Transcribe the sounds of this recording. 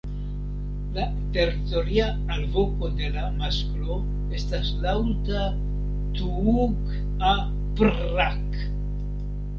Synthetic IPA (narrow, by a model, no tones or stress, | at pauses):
la | t̪e̞rit̪o̞ɾiaːlvokod̪e̞lamasklo | est̪aslawt̪a | t̪uuk | a | pɾak